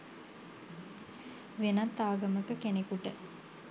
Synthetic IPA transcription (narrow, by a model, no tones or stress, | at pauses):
ʋenat̪ːaːɡəməkəkenekuʈə